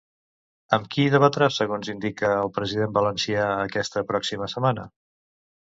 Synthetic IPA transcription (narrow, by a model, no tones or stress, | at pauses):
əmkiðəβət̪ɾasəɣonzind̪ikəːlˠpɾəziðembələnsiaəkɛst̪əpɾɔksiməsəmanə